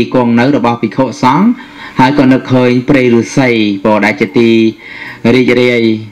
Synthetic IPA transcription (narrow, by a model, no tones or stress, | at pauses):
iːkŏəŋnɨwrɔɓɑhpikʰoːʔsɑŋ | haəjkɑːnɨkʰːəːɲpreːjruːsəjpɔːɗaɛlt͡ɕiət̪iː | riːc̚riəj